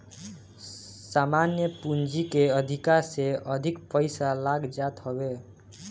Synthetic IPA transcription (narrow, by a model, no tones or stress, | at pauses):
samanjəpund͡ʒikeʌd̪ʱikaɾseʔʌd̪ʱikpʌjsalaɡd͡ʒat̪ɦobe